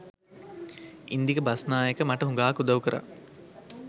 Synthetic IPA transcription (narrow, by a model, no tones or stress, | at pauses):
ind̪ikəbasnaːjekəmaʈəɦuŋɡaːkud̪ɐʋukəɾʔa̰